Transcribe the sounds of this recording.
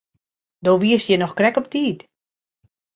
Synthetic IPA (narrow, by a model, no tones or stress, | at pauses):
doːʋiəsjɛnɔxkrɛkɔp̚tʰiːt